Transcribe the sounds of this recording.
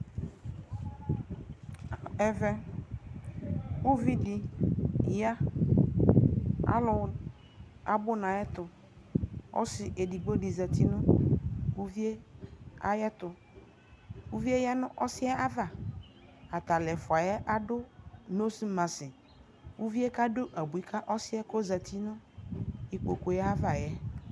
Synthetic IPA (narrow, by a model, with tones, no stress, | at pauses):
ɛ˦vɛ˦ | wu˦vi˦di˨ | ja˦ | a̰˨lʊ˨˦ | a̰˨bʊ˦nã˨jɛ˦t̪ʊ˨ | ɔ̰˦sɪ˨ʔe˨di˨ɡ͡bo˦di˨za˨t̪ʰi˦nʊ̃˦wu˦vi˦e˦a̰˦jɛ˦t̪ʊ˨ | wu˦vi˦e˦ja˦nʊ̰̃˦ʔɔ˦sɪ˦ɛ˦a˦va˨ | a˨t̪a˨lɛ˨fʊ˨a˨jɛ˦ʔa˦ɖʊ˦no˦si˦mã˨sɪ˨ | wu˦vi˦e˦ka˦dʊ˦ʔa˨bu˨i˦kʰa˦ʔɔ˦sɪ˦ɛ˦ko˦za˨t̪ʰi˦nʊ̃˦ | i˨k͡po˨ko˨ja˦a˦va˨jɛ˦